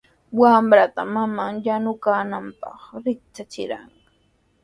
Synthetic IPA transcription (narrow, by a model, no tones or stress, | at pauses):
wamɾat̪a̰mamaŋjanʊkaːnampɑ̰χɾɪk̚t͡ʃat͡ʃɪ̰ɾa̰ŋ